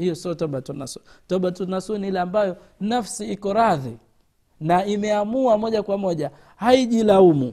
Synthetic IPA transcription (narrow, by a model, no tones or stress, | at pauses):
hijɔsiɔtɔɓatunasutɔɓatunasunihilɛambajɔ | nafsiikɔɾaði | naimɛamuamɔʄakwamɔʄa | haiʄilaumu